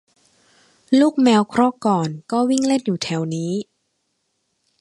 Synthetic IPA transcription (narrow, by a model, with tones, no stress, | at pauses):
luː˥˩k̚mɛː˧wkʰɾɔ˥˩kɔː˨˩nkɔː˥˩wi˥˩ŋle˥˩njuː˨˩t̪ʰɛ˩˦wniː˦˥